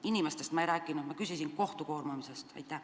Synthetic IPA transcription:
inimest̪e̞st̪mɑejɾæːkːˑinud̪mɑkysisinko̞ht̪uko̞ːrmumise̞st̪ɑ̰jt̪ˑːæh

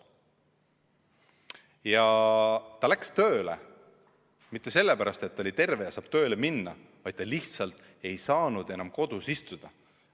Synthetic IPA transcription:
jɑ | t̪ɑlækst̪ø̞ːlḛ | mit̪ːˑese̞lːepæɾɑst̪e̞t̪ːolit̪e̞rve̞jɑsɑːb̥t̪ø̞ːleminːɑ | vɑjd̪̥̚t̪ːɑliht̪sɑlt̪ˑ | e̞jsɑːnud̪̥e̞nɑmko̞d̪̥usist̪ud̪̥ɑ

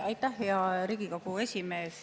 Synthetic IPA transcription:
ɑjt̪ːæhjɑɾiɡ̥ikokue̞sʲime̞ːs

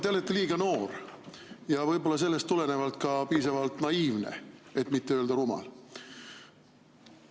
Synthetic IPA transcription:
t̪elet̪ːliːɡ̥ɑno̞ːr | jɑvɤjbo̞lːɑs̬e̞lːe̞st̪ːule̞ne̞vɑlt̪̚kɑpiːsɑvɑlt̪nɑiːvnḛe̞t̪ːˑmit̪ːeøːld̪ɑɾumɑ̰l

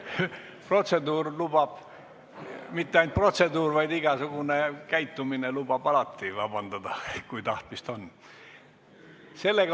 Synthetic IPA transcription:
pro̞t̪se̞d̪uːrlub̥ɑb̥ | mit̪ːeɑjnt̪̚pro̞t̪se̞d̪uːrvɑjd̪iɡ̥ɑsuɡ̥unekæjt̪ːuminelub̥ɑb̥ɑlɑt̪ːivɑ̰b̥ɑnd̪ɑd̪̥ɑkujt̪ɑht̪mist̪o̞nː | se̞lːeɡ

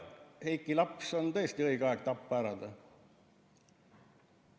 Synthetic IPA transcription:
he̞jkːˑilɑpso̞nt̪ɤ̞e̞st̪iɤjɡ̥eɑeɡ̥̚t̪ɑpːæɾɑd̪̥ɑ

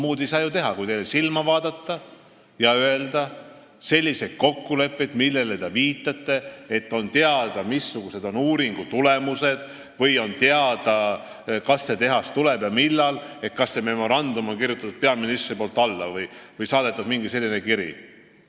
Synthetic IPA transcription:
muːd̪ejsɑːjut̪e̞ɦɑkujt̪ejlesilmɑvɑːd̪̥ɑt̪ːˑɑ | jɑøeld̪ɑ | se̞lʲːise̞d̪̥̚ko̞kːule̞pːed̪̥milːe̞let̪eviːt̪ːˑɑt̪ːe̞et̪ːˑo̞nt̪eɑd̪ɑmisːuɡ̥use̞d̪o̞nuːɾiŋɡ̥ut̪ule̞muse̞d̪̥ | vɯjo̞nt̪eɑd̪ɑ | kɑsːe̞t̪e̞ɦɑst̪uleb̥jɑmilːɑle̞t̪̚kɑsːe̞me̞mo̞ɾɑnd̪̥umo̞nkirjut̪ːˑɑt̪ud̪̥̚pe̞ɑminist̪ripoːlt̪ːˑɑlːɑ̰vɯjvɯjsɑːd̪e̞t̪ːˑud̪miŋɡise̞lʲːinekiɾḭ

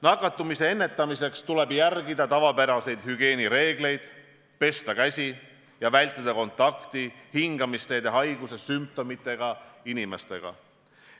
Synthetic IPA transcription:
nɑkˑːɑt̪ːˑumise̞e̞nːe̞t̪ːˑɑmise̞kst̪ule̞bjærɡid̪ɑt̪ɑvɑpæɾɑse̞jd̪̥hyɡ̥e̞ːniɾe̞ːɡle̞jd̪̥ | pe̞st̪ɑkæsʲi | jɑvæjlʲt̪ːˑid̪̥ɑko̞nt̪ːˑɑkt̪ihiŋɡ̥ɑmist̪ejd̪eɦɑjɡ̥use̞symp̚t̪o̞mit̪ːˑe̞ɡ̥ɑinime̞st̪e̞̰ɡ̥ɑ̰

